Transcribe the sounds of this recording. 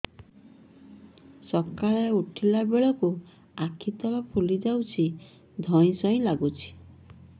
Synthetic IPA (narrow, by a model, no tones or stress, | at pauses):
sɔkaɭeuʈʰilabeɭɔku | akʰit̪ɔlɔpʰulid͡ʒawt͡ʃʰi | d̪ʱɔj̃sɔj̃laɡut͡ʃʰi̥